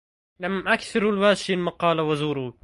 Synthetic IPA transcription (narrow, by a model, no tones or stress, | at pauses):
lamʔakθɪɾalwaːʃɪlmɑqɑːlawazuːɾuː